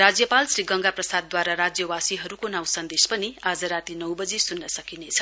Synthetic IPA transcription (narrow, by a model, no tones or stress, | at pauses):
rad͡zjʌpalsriɡʌŋɡaprʌsad̪̚ːwaɾaɾad͡zjʌwasiɦʌɾukonawsʌnd̪espʌniad͡zʌɾat̪inʌwbʌd͡zisunːʌsʌkinet͡sʰʌ̥